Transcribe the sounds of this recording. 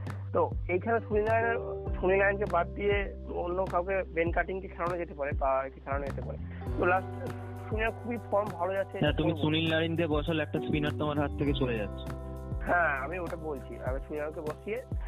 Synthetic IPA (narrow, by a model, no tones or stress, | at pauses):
t̪oejkʰanesunilajneɾsunilajnkebad̪̚d̪ie | onːokawkebenkaʈiŋkekʰɛlawnad͡ʑet̪epaɾebakekʰɛlanad͡ʑet̪epa̰ɾḛ | t̪olas | suniaɾkʰubifʰɔɾmbʱalod͡ʑatːɕʰeɦɛ̃t̪umisunillaɾind̪iebɔʃɔlɛk̚ʈaspinaɾt̪omaɾɦat̪ʰːeket͡ɕoled͡ʑatːɕʰo̥ | ɦɛ̃amioʈabolt͡ɕʰḭa̰misunilajnkebosie